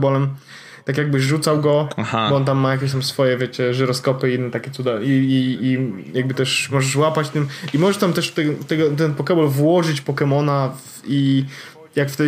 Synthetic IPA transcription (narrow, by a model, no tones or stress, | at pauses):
bɔlɛm | t̪akjaɡ̚bɘʐut̪sawɡɔahabɔɔnt̪amːajakʲeɕ̬t̪amsfɔjɛvʲjɛt͡ɕɛʐɛɾɔskɔpɘiinːɛt̪akʲɛtsud̪aiːijaɡ̚bɘt̪ɛʂmɔʐɛʂwapat͡ɕt̪ɘmimɔʐɛʂt̪amt̪ɛʂft̪ɛt̪ɛɡɔt̪ɛnpɔkɛbɔlvwɔʐɘt͡ɕpɔkɛmɔnav | i | jakft̪ɛ